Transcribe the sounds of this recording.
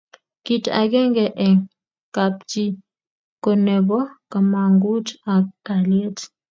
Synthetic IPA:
ki˨ta̰˨ɡɛ˦ŋɡɛ˨ʔɛ˨ŋ | ka˨p̚t͡ʃi˦ | kɔ˨nɛ˨bɔ˦ka˨ma˨ŋɡu˦ta˨ka˨lje˦t

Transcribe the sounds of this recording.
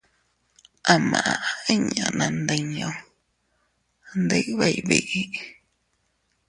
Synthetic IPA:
ʔa˧mã̰˨ʔã˨ʔi˦ɲã̰˨nã˧nd̪e˧ɲõ˧ | nd̪ɨ˦ʔβe˦i˨βḭ˧˨ʔi˦

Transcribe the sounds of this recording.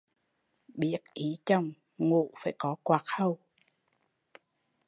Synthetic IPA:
ɓi˦˥ət̚ʔi˨˦t͡ɕə˧˩wŋ͡m | ŋṵ˧˨faː˧˩jkɔ˨˦kwaː˨˩k̚hə˧w

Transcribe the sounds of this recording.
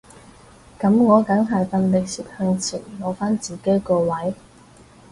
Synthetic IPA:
kɐ˨˥mŋɔː˨˧kɐ˨˥ŋɦɐ˨jfɐ˧nlɪ˨k̚siː˨p̚hœː˧ŋt͡sʰḭː˨˩nlo˨˧wfaː˥nt͡siː˨˩ke˨˥jkɔː˧wɐ˨˥j

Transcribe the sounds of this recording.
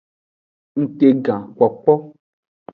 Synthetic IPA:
n̩˨te˨ɡã˨kʷɔ˨k͡pɔ˦

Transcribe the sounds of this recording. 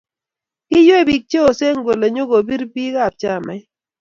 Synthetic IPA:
i˦jwe˦˨bi˨k̚t͡ʃe˦o˨se˦ŋ˦ɡo˨le˨ɲo˦ɡo˨bi˦ɾbi˦ɣa˦˨p̚t͡ʃa˦˨mɛ˨

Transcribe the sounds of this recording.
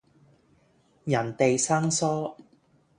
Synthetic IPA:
jɐ˨˩nt̪e˨jsaː˥ŋsɔː˥

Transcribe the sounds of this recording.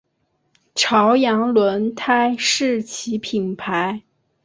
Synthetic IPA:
ʈ͡ʂʰɑ˧˥ʊjɑ˧˥ŋlwə˧˥nt̪ʰa˥ɪʂɻ̩˥˩t͡ɕʰi˧˥pʰi˨˩npʰa˧˥ɪ

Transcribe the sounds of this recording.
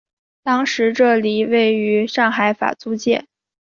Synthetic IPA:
t̪ɑ˥ŋʂɻ̩˧˥ʈ͡ʂɤ˥˩li˨˩we˥˩ɪy˧˥ʂɑ˥˩ŋxa˧˥ɪfa̰˨˩t͡su˥t͡ɕjɛ˥˩n

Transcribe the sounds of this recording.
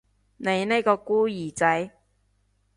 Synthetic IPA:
ne˨˧jne˥jkɔː˧kuː˥jiː˨˩t͡sɐ˨˥j

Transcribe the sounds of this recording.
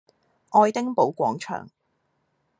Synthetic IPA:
ʔɔː˧jt̪ɪ˥ŋpo˨˥wkʷɔː˨˥ŋt͡ʃʰœ̰ː˨˩ŋ

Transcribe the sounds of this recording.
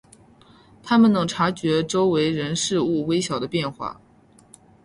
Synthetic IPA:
t̪ʰa˥mə˨nnɤ˧˥ŋʈ͡ʂʰa˧˥t͡ɕɥɛ˧˥ʈ͡ʂo˥ʊwe˧˥ɪɻə˧˥nʂɻ̩˥˧u˥˩we˥ɪɕjɑ˨˩ʊd̪ə˦pjɛ˥˧nxwa̰˥˩

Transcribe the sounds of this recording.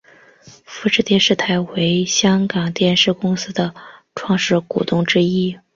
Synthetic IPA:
fu˧˥ʂɻ̩˥˧t̪jɛ˥˧nʂɻ̩˥˩t̪ʰa˧˥ɪwe˧˥ɪɕjɑ˥ŋkɑ˨˩ŋt̪jɛ˥˧nʂɻ̩˥˩kʊ˥ŋsɹ̩˥d̪ə˨ʈ͡ʂʰwɑ˥˧ŋʂɻ̩˥˩kṵ˨˩t̪ʊ˥˩ŋʈ͡ʂɻ̩˥i˥

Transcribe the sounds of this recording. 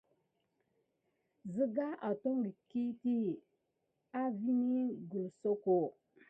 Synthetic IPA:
zɨ˦ɡa˦ʔa˨to˦ŋɾi˨ki˦ti˦ | a˦vi˦ni˦ɡu˨lso˦ko˨

